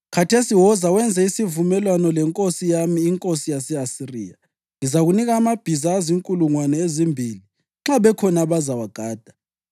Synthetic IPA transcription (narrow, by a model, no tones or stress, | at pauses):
kʰatʰesiwɔzawɛnd͡zʱɛisivumɛlwanɔlɛŋkʼosijamiːŋkʼosijasɛasirḭːa | ŋizaɣuniɣaːmab̥ʱizaːziŋkʼuluŋwanɛezimbʱiːli | ŋ͡ǁaβɛkʰɔnaβazawaɡ̥ʱaːd̥ʱḁ